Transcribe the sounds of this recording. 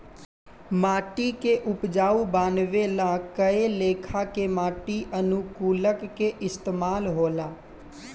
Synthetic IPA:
maːʈikeʔʊpd͡ʒaːubaːnʋelãkəeleːkʰakemaːʈiʔənukuːləkːeʔɪst̪eːmaːlɦoːlaː

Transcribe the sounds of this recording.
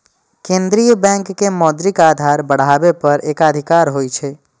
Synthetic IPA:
kẽnd̪ɾijəbɛ̃ŋkːemɔːd̪ɾikaːd̪ʱaɾbəɽ̤abepəɾeːkad̪ʱikaɾɦojt͡ʃʰe

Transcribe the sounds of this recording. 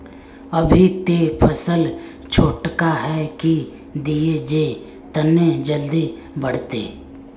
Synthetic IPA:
ɐbʱit̪epʰəsəl | t͡ʃʰoːʈkaɦɛki | d̪ied͡ʒeː | t̪ɐned͡ʒəld̪i | bɐɽ̤t̪ḛː

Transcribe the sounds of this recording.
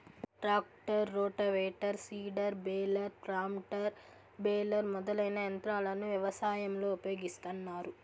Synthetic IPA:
ʈɾaːk̚ʈɐɾːoːʈɐʋɛːʈɐɾsiːɖɐɾbeːlɐɾpɾaːmʈɐɾ | beːlɐɾmɔd̪ɐlɐjnɐjɐnt̪ɾaːlɐnːuʋjɐʋɐsaːjɐmlo̞ːupjo̞ːɡist̪ɐnːaːɾu

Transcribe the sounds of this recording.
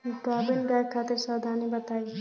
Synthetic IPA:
t̪aːbinɡajkʰaːt̪ɪɾsaːd̪ʱaːnibɐt̪aːj

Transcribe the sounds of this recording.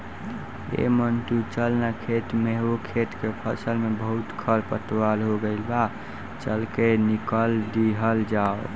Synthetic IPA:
ḛmənt̪ut͡ʃəlnakʰeʈ̪meɦokʰeʈ̪kepʰəsəlmebəɦut̪kʰəɾpət̪walɦoɡəɪlba | t͡ʃəlkenikəld̪iɦəld͡ʒao

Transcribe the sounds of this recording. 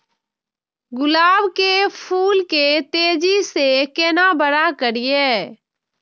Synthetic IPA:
ɡʊlaːbkepʰuːlket̪eːd͡ʒisekeːnabəɽakəɾijeː

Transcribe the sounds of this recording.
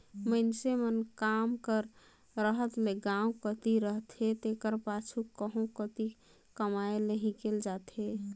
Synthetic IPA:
məɪnsemənkamkəɾ | ɾəɦət̪leɡãũkət̪iɾəɦt̪ɦet̪ekəɾpat͡ʃʰukəɦũkət̪i | kəmaeləɦikeld͡ʒat̪ɦe

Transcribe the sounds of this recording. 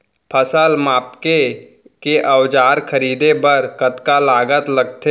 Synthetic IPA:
pʰəsəlmaːpke | keʔəwd͡ʒaːɾkʰəɾiːd̪ebəɾkət̪kalaːɡət̪ləɡ̚t̪e

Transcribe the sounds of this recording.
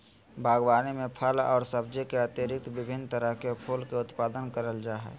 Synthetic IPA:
bʱaːɡwaːnimẽpʰəlɔ̰ːɾsəbd͡ʒekeət̪jeɾɪk̚t̪ʋɪbʱɪnt̪əɾəɦkepʰoːlkeʊt̪paːd̪ənkəɾəld͡ʒaːɦɛ̰

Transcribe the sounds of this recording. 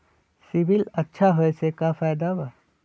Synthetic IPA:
siʋilətːʃʰaɦojsekafajd̪aba

